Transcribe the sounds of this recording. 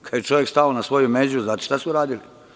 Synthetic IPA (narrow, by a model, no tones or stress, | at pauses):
kʰad̪jet͡ʃo̞ʋjekst̪aonasʋo̞jumeːzuznaːt̪o̥ʃt̪asuɾaːd̪ili